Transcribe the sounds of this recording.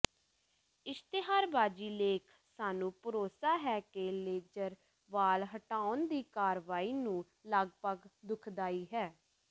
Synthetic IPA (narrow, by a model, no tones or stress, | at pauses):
ɪst̪eɦaːɾbaːd͡ʒiːleːkʰsaːnũːpəɾoːsaːɦɛːkeleːd͡ʒəɾ | ʋaːlɦəʈaːʊnd̪iːkaːɾʋaːiːnũː | ləɡpəɡd̪ʊkʰd̪aːiːɦɛː